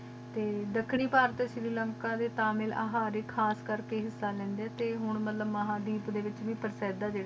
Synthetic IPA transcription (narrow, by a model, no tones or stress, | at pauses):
t̪eːd̪əkʰɳiːpaːɾt̪ːʃɾiːləŋkaːd̪eːt̪aːmɪla̰ːɦaːɾeːkʰaːskəɾkeːɦɪsːaːlɛ̃ːnd̪eɛːt̪eːɦʊɳmət̪ləbməɦaːd̪iːpd̪eːʋɪt͡ʃʋĩːpəɾsɛːd̪aːd͡ʒeː